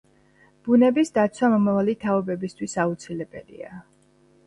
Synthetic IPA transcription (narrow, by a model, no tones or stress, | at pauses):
b̥unɛbisd̪at̪sʰwamɔmavalit̪ʰaɔbɛbist̪ʰwisaut̪sʰilɛbɛ̰lḭa̰